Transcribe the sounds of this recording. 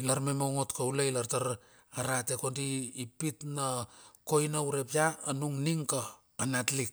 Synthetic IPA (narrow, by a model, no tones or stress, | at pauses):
ilaɾmemoŋotkawlailaɾtaɾ | aɾate̞ko̞ndiːpitnako̞jnawɾe̞piaːnuŋniŋka | panatlik̚